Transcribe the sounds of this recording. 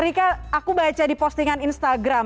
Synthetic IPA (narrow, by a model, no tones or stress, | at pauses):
ɾikaakubat͡ʃadipɔst̪iŋaninst̪aɡɾam